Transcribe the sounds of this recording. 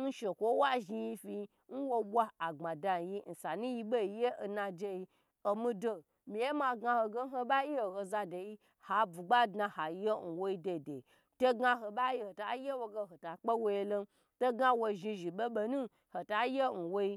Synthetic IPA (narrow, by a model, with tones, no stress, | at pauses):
n̩˦ʃe˨kʷo˦wa˦ʒi˧ji˧fi˧ | n̩˦wo˧ɓʷa˦a˨ɡ͡ba˨da˧n˨ji˦n̩˨sa˨nũ˦ji˧ɓe˦i˧˨je˦ʔo˨na˧d͡ʒe˧ji˧ | o˨mi˦do˨ | mi˨je˦ma˧ɡa˧ho˧ɡe˦n̩˦o˧ɓa˦ji˦o˨ho˧za˧de˨ji˦ | ha˨bu˨ɡ͡ba˦dna˧ha˨˧˦je˦n̩˨wo˦i˦de˨de˨ | to˦ɡa˧ɦo˨ɓa˦ji˦ho˨ta˨˦je˦wo˧ɡe˧ɦo˨ta˨k͡pe˦wo˧je˧lo˧ | to˦ɡa˧wo˧ʒi˧ʒi˨ɓe˦ɓo˧nũ˦ | ho˨ta˨˦je˦n̩˨wo˧i˧